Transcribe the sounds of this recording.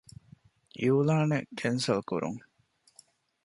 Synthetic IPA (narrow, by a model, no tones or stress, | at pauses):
ʔiuːlaːnḛkʰensɐlkṵɾṵŋ